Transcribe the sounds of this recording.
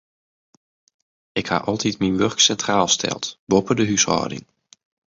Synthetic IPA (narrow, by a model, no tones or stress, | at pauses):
ɪkha̰ʔɔlˠtʰitminʋørksɛntraːlˠstʰɛ̰lˠtbopədəɦyshɔ̰ːdɪ̰ŋ